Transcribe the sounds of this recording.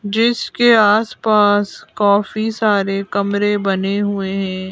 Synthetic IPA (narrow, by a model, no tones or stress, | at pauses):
d͡ʒɪskeaːspaːskɔːfisaːɾekɐmɾebɐneɦʊeɦɛ̃ː